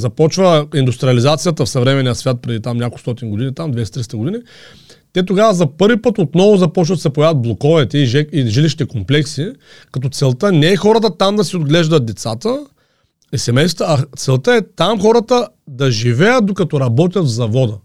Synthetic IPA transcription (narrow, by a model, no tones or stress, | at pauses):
zɐpɔt͡ʃvəind̪ust̪ɾiɐlizat̪sijət̪əfsɐvɾɛmɛnijəsvʲjat̪̚pɾɛd̪it̪amnʲakolˠst̪ɔt̪inɡod̪init̪amd̪vɛist̪ɾist̪əɡod̪ini | t̪ɛt̪oɡavəzɐpɤɾvipɤt̪ot̪nɔvʊzɐpɔt͡ʃvɐt̪sɛpojavəd̪̚blˠokɔvɛt̪ɛiʒɛiʒiliʃ̬it̪ɛkomplɛksi | kɐt̪ɔt̪sɛlˠt̪ənɛːxɔɾət̪ət̪amd̪ɐsiod̪ɡlɛʒd̪ɐt̪̚d̪ɛt̪sat̪ə | isɛmɛjst̪əːt̪sɛlˠt̪əɛt̪amxɔɾət̪ə | d̪ɐʒivɛjət̪̚d̪okɐt̪ɔɾɐbɔt̪̬ʲjɐt̪vzɐvɔd̪ə